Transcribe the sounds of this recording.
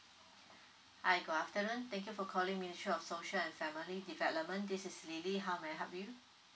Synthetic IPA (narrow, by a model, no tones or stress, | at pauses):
ʔajɡoaftənə̃nt̪ɛ̃ŋkjufɔkʰɔlĩŋministɹiɔfsoʃəlɛ̃nfɛmilidivɛlɔp̚mə̃ndisɪsliliɦaʊmaɪɦapju